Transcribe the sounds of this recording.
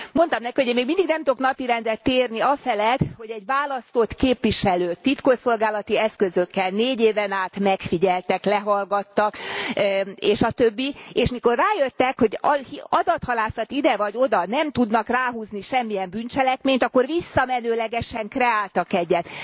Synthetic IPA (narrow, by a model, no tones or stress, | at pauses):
mo̞nt̪ɒmnɛkihoɟemeːɡmind̪iɡnɛmt̪oknɒpiɾɛnd̪ɛt̪ːeːrniɒfɛlɛt̪ho̞ɟɛɟʋaːlɒst̪o̞t̪keːpʋiʃɛløːt̪it̪koso̞lɡaːlɒt̪iɛskø̞zø̞kːɛlneːɟeːvɛnaːt̪mɛkfiɟɛlt̪ɛklɛɦɒlɡɒt̪ːɒk | eːʃɒt̪øbːieːʃmiko̞rːaːjøt̪ːɛkho̞ɟhiɒd̪ɒt̪hɒlaːsɒt̪id̪ɛvɒɟo̞d̪ɒnɛmt̪ud̪nɒkraːɦuːzniʃɛmːijɛmbynt͡ʃɛlɛkmeːɲt̪ɒkːo̞rʋisːɒmɛnøːlɛɡɛʃɛŋkrɛaːlt̪ɒkɛɟːɛt̪